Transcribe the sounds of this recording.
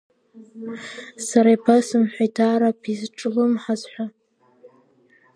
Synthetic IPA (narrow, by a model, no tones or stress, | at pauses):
saɾajpʰasɨmħʷᶣajtʰaɾapʰizʈ͡ʂʼlɨmħazħʷa